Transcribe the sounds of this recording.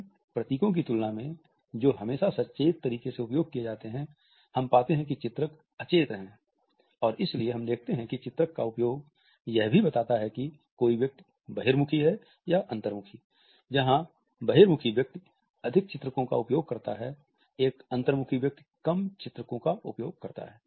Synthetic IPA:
pɾɐt̪iːkõk̬it̪ʊlnamẽ | d͡ʒoːɦɐmeːʃasɐtːʃeːt̪ːɐɾiːkeseʊpjoːɡ̚kijed͡ʒaːt̪eɦɛ̃ | hɐmpaːt̪eɦɛ̃kit͡ʃɪt̪ɾək | ɐt͡ʃeːt̪ɦɛ̃ | ɔːɾɪslieɦɐ̃md̪eːk̚ʰt̪eɦɛ̃kit͡ʃɪt̪ɾəkːaʊpjoːɡ | jɛɦbʱibɐt̪aːt̪aɦɛki | koːiʋjɐk̚t̪i | bɐɦeːɾmʊkʰiɦɛ | jaʔɐ̃nt̪əɾmʊkʰi | d͡ʒɐɦã | bɐɦeːɾmʊkʰiʋjɐk̚t̪i | ɐd̪ʱɪk̚t͡ʃɪt̪ɾəkõka̰ʊpjoːɡ̚kɐɾt̪a̰ɦɛ | eːkɐ̃nt̪əɾmʊkʰiʋjɐk̚t̪ | kɐmt͡ʃɪt̪ɾəkõkaʊpjoːɡ̚kɐɾt̪a̰ɦɛː

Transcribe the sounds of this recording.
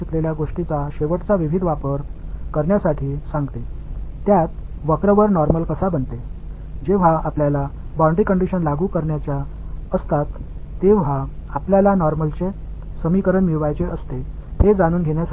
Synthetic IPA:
it̪leljaɡoʂʈit͡saɕeʋəʈt͡saʋiʋʱid̪ʋapəɾkəɾɳjasaʈʰiːsãŋɡt̪et̪jat̪ʋəkɾəʋəɾnɔɾməlkəsabəɳt̪e | d͡ʑeʋ̤aapljalabɔ̃ɳɖɾikəɳɖiɕənlaɡuːkəɾɳjat͡ɕja | əst̪at̪ːeʋ̤aapljalanɔɾməlt͡se | səmikəɾəɳmiɭʋajt͡seəst̪ehed͡zaɽ̃uːnɡʱeɳjas

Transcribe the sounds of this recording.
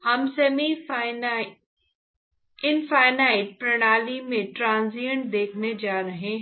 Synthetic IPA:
hɐmsemi | ɪnfaːɪnaːɪʈ̚pɾɐɽ̃aːlimẽʈɾãːnzijəɳʈ̚d̪eːkʰned͡ʒaːɾɐɦẽɦ

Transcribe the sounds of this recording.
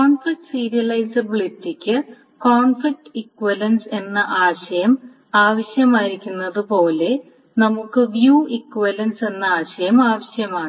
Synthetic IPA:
koːnfik̚ʈsiːɾijɐlɐjsɐbiɭitːikʲːɨ | koːnfik̚ʈikːʋɐlɐnse̞nːɐʔaːɕɐjɐm | aːʋɐɕjɐmaːjiɾikʲːunːɐðɨpo̞ːle̞ | nɐmukːɨʋjuːikːʋɐlɐnse̞nːɐaːɕɐjɐmaːʋɐɕjɐmaːɳ

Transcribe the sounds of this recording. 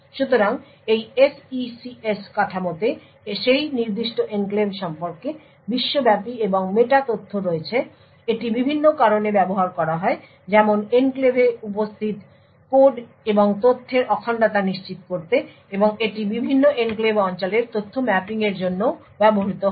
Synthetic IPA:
ʃut̪oɾaŋ | ejesisieskaʈʰamot̪e | ʃejniɾd̪iʃʈoʔenklebʃɔmpoɾke | biʃːobɛpieboŋmeʈat̪ot̪ʰːoɾoet͡ɕʰe | eʈibibʱinːokaɾonebɛboɦaɾkɔɾaɦɔe | d͡ʑɛmonenklebeupost̪ʰit̪ | koɖ | eboŋt̪ot̪ʰːeɾʔɔkʰaɳɖat̪aniʃt͡ɕit̪koɾt̪e | eboŋeʈibibʱinːoʔenklebɔnt͡ɕoleɾt̪ot̪ʰːomɛpiŋeɾd͡ʑonːo | bɛboɦit̪o

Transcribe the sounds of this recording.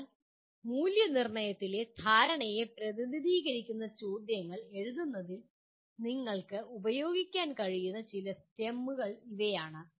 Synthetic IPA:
muːljɐnirɳɐjɐt̪ːile̞t̪ʰaːɾɐɳɐjepɾɐðiðiðiːɣɐɾikʲːunːɐt͡ɕoːd̪jɐŋːɐɭe̞ɻuðunːɐðil | niŋːɐɭkɨubɐjo̞ːɡikʲːaːnkɐɻijunːɐt͡ɕilɐt̪jɐmːuɣɐɭiʋɐjaːɳɨ

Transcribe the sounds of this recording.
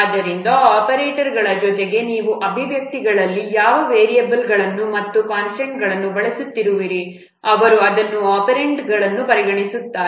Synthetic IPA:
aːd̪ːɐɾind̪ɐaːpɐɾeːʈɐɾɡɐɭɐd͡ʒɔt̪eɡe̞niːʋuʔɐbʱiʋjɐk̚t̪iɡɐɭɐlːijaːʋɐʋeːɾijɐbilɡɐɭɐnːumɐt̪ːukaːnsɐɳʈɡɐɭɐnːubɐɭɐsut̪ːiɾuʋiɾi | ɐʋɐɾuɐd̪ɐnːuaːpɐɾeɳʈɡɐɭɐnːupɐɾiɡɐɳisut̪ːaː

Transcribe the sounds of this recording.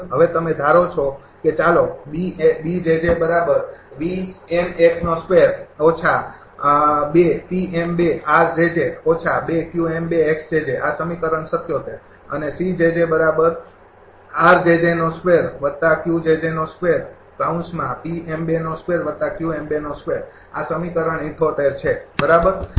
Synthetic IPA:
ɦəʋet̪əmed̪ʱaɾot͡ʃʰo | ket͡ʃalobiebid͡ʒed͡ʒebəɾabəɾʋiemekʰnoskʋeɾot͡ʃʰa | bepiembeaɾd͡ʒed͡ʒeot͡ʃʰabekjuembeeksd͡ʒed͡ʒeʔasəmikəɾənsət̪ʰjot̪ʰe | ə̰nesid͡ʒed͡ʒebəɾabəɾ | aɾd͡ʒed͡ʒenoskʋeɾʋət̪akjud͡ʒed͡ʒenoskʋeɾ | kãnsmãpiembenoskʋeɾʋət̪ːakjuembenoskʋeɾ | asəmikəɾəɳiʈ̪ʰot̪eɾt͡ʃʰebəɾabəɾ

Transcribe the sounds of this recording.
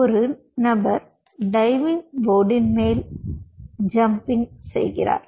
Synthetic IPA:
ɔɾɯ | nɐbɐɾ | ɖɐɪʋɪŋʋoːɖɪnmeːl | d͡ʒɐmpɪŋsɛ̰jɣɪ̰ra̰ːɾ

